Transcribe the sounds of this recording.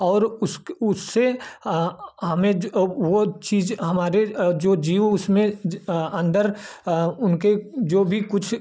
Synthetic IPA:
ɔːɾʊsʊsːe | ɦɐmẽʋot͡ʃiːzɦɐmaːɾed͡ʒoːd͡ʒiːʊsmẽɐ̃nd̪əɾ | ʊnked͡ʒoːbʱikʊt͡ʃʰ

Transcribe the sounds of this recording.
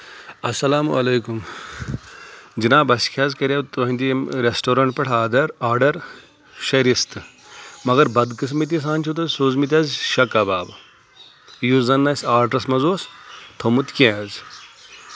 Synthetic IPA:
ɐsɐlaːmɐ̰lɐjkum | d͡ʒinaːbɐskʲʰaːzkɐɾʲɐt̪uɐ̃nʲd̪iɾesʈoːɾɐɳʈ̚pɐʈʰaːd̪ɐɾaːɾɖɐɾ | ʃɐɾist̪ɨ | mɐɡɐɾbɐd̪kɨs̬mit̪̬ʲis̬aːnʲt͡ʃʰut̪̬ɐzsoːzmit̪̬ʲɐzʃɐkɐbaːb | juzɐnːɐsʲaːɾʈɾɐsmɐzoːst̪ʰomut̪kʲẽz

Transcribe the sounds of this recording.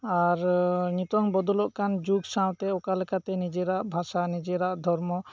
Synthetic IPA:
aɾɲit̪ɔŋbɔd̪ɔlɔʔkand͡ʒuɡsãw̃t̪ɛɔkalɛkat̪ɛnid͡ʒeɾaʔbʱasanid͡ʒeɾaʔd̪ʱɔɾmɔ

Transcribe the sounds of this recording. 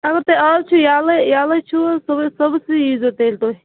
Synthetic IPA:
ɐɡɐɾt̪eaːlt͡ʃʰujaːlɐjaːlɐt͡ʃʰusɐbsɐbsiiːzot̪eːlt̪oːi

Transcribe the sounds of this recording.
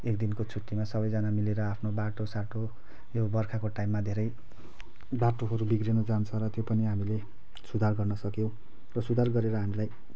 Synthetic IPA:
ekd̪inkot͡sʰuʈːimasʌbʌjd͡zanamileɾʌapʰnobaʈosaʈo | jobʌrkʰakoʈaimːad̪ʱeɾʌj | baʈoɦʌɾubiɡrenʌd͡zant͡sʰʌ̃ɾʌt̪jopʌniɦamile | sud̪ʱarɡʌrnʌsʌkjõw̃ | rʌsud̪ʱarɡʌɾeɾʌɦamilaj

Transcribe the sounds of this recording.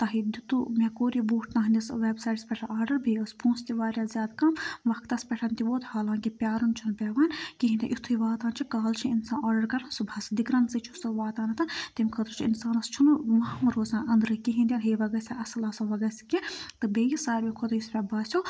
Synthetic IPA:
t̪ɐɦid̪it̪umʲɛkoːɾibuːʈʰnɐɦnʲisʋeːbsaːʈspʲɛʈʰɐnʔaːɖɐɾbʱiəspʰũːnst̪iʋaːɾʲjaːzʲjaːd̪kɐmʋɐkʰt̪ɐspʲɛʈʰɐnt̪ʲiʋoːt̪haːlaːŋkipʲjaːɾunt͡ʃʰunpʲeʋaːnʲkiɦind̪ʲɐ̰ʔit̪ʰuiʋaːt̪aːnt͡ʃʰikaːlt͡ʃʰĩinsãːnaːɖɐɾkɐɾɐnsubʱɐsd̪ikɾɐnzɨt͡ʃʰusɨʋaːt̪aːnɐt̪ʰɐnt̪imʲkʰət̪ɾt͡ʃʰiḭnsaːnɐst͡ʃʰunumɐɦmɨɾoːzãːnɐnd̪ɾɨkiɦĩnd̪ʲɐnɦeːʋɐɡɐsʲaɐsɨlɐsɐʋɐɡɐsʲi̥kʲit̪ɨbejisaːɾʲbʲikʰot̪ɐjuspʲɛbaːsʲjo

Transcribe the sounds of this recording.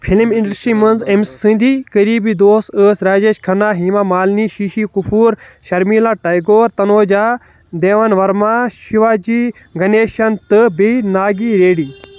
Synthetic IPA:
pʰilmĩɳɖɐɾsʈɾiːmɐnzemsːɨ̃nd̪ʱiːkɐɾiːbiːd̪oːsəːsɾaːd͡ʒeːʃkʰɐnaːɦiːmaːmaːlniːʃiːʃiːkupʰuːɾʃɐɾmiːlaːʈɐjɡoːɾt̪ɐnoːd͡ʒaː | d̪eːʋanʋɐɾmaːʃiʋaːd͡ʒiː | ɡɐneːʃɐnt̪ɨbinaːɡiːɾeːɽiː

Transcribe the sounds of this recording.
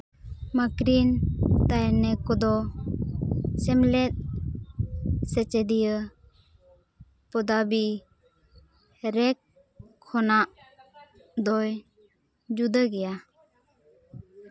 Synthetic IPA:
makɾint̪ajnɛkɔd̪ɔ | sɛmlɛt̪̚ | sɛt͡ʃɛd̪ijə | pɔd̪abi | ɾɛkʰː | ɔnaʔ | d̪ɔj | d͡ʒud̪əɡɛja

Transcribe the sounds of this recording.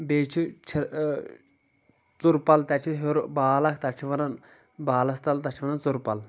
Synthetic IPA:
beːt͡ʃʰit͡ʃʰi | t͡suɾpɐlt̪ɐt͡ʃʰiɦoɾbaːlɐkʰt̪ɐt͡ʃʰiʋɐnɐn | baːlɐst̪ɐlt̪ɐt͡ʃʰiʋɐnɐnt͡suɾpɐl

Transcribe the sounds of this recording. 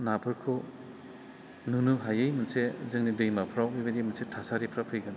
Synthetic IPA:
napʰɯɾkʰo | nunuɦajɯjmɐnsezɯŋnidɯjmapʰɾawɯjbɐdimɐnsetʰasaɾipʰɾapʰɯjɡan

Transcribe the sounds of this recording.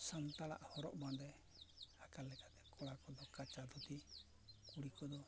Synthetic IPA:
sant̪ala̰ʔhɔɾɔʔband̪ɛ | hakallɛkat̪ɛ̥kɔɽakɔd̪ɔkat͡ʃad̪ʱut̪i | kuɽikɔd̪ɔ

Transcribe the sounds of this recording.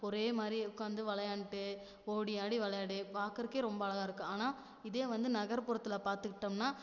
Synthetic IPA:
ɔɾeːmaːd̪ɾiʊkːaːnd̪ɯʋɐɭɐjaːɳʈːɯ | oːɽɪjaːɽiʋɐɭɐjaːɽipaːkɐɾɯkeːɾɔmbɐːɭɐɣaːɪɾɯkːɯaːnaː | ɪðeːʋɐnd̪ɯnɐɣɐɾpʊɾɐt̪ːɪlapaːɾt̪ɯkːɪʈːɐmnaː

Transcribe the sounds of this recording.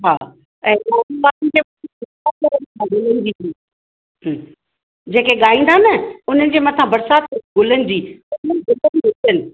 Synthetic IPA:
ɦaː | ɛ̃ːaːbaːiteːmʊ̃iɪsakɐɾənkʰãɡʊlənɪ̆d͡ʑiːɦː | d͡ʑeːkeɠaːĩːnd̪anəʊn̤ənɪ̆d͡ʑeːmɐ̃t̪ʰãbɐɾsaːt̪̚eɡʊlənɪ̆d͡ʑiːʊnənɪɡʊlənʋetənɪ

